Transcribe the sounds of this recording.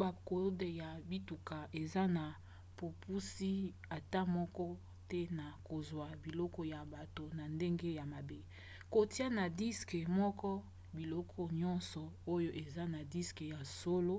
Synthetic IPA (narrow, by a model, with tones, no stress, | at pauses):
ba˨ko˨˦de˨ja˨bi˦tu˨ka˨ʔe˨za˦na˨ | po˨pʰu˦si˦ | a˨ta˦mɔ˦kɔ˦ | tɛ˦na˨ko˨zwa˨bi˨lɔ˦kɔ˦ja˨ba˨to˨na˨nde˦ŋɡe˦ja˨ma˨be˦ | ko˨ti˦a˦na˨di˦ske˨mɔ˦kɔ˦ | bi˨lɔ˦kʰɔ˦ɲɔ˦nsɔ˨o˦jo˦ʔe˨za˦na˨di˦ske˨ja˨so˦lo˦